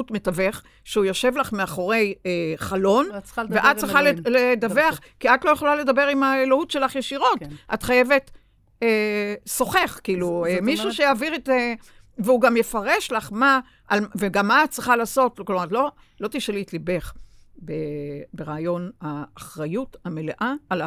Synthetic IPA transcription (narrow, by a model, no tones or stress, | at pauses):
utmetave̞χ | ʃeujoʃe̞vlaχmeaχo̞ʁe̞jeχalo̞nveʔat̚t͡sʁiχaleledaveaχ | kiatlo̞jeχolale̞dabe̞ʁimaelohutʃe̞laχjeʃiʁo̞tʔa̰tχaje̞ve̞t | eso̞χe̞χkiːluemiʃuʃejaːviʁeteveuɡamje̞faʁe̞ʃlaχma | ʔalveɡamːaat̚t͡sʁiχalaːso̞tklomatlo̞ | lo̞t̪iʃeliːtlibe̞χ | bebeʁaːjo̞naːχʁajuthame̞leʔaal